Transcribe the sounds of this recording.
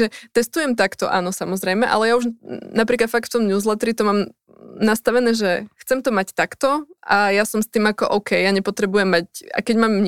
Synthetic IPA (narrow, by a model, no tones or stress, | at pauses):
ɛt̪ɛst̪ujɛmt̪akt̪ɔʔa̰nɔsamɔzɾɛjmɛʔa̰lɛjauʒnapɾiːklat̪fak̪ft̪ɔmɲuːzlɛt̪ɾit̪ɔmaːm | nast̪aʋɛnɛːʒɛxt͡sɛmt̪ɔmact̪akt̪ɔajasɔmst̪iːmakɔʔɔʊkʰɛjjaɲɛpɔt̪ɾɛbujɛmːaca̰ɪkɛɟmaːmːɲ